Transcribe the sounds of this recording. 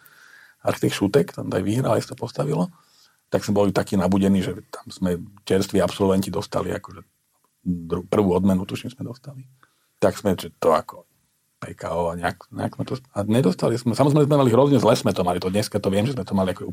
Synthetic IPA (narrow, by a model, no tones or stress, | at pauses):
aɾit̪ixʃut̪ɛkt̪ɛ̰nt̪ajʋiɦɾalisat̪ɔ̥pɔst̪aʋilɔ | t̪aɡsmɛbɔlit̪akiːnabuɟɛniːʒɛt̪ʰḁmz̥mɛt͡ʃɛɾst̪ʋiːapsɔlʋɛɲcid̪ɔst̪a̰lḭa̰kɔʒɛ | d̪ɾupr̩ʋuːɔd̪mɛnut̪uʃimz̥mɛd̪ɔst̪ali | t̪aɡz̥mɛʒɛt̪ɔa̰kɔ | pɛkaɔaɲɛakɲɛ̰aksmɛt̪ɔaɲɛd̪ɔst̪alizmɛsamɔzɾɛmɛzmɛmaliɦɾɔzɲɛzlɛsmɛt̪ɔmalit̪ɔd̪ɲɛskat̪ɔʋɪɛmʒɛszmɛt̪ɔmaliakɔʒɛ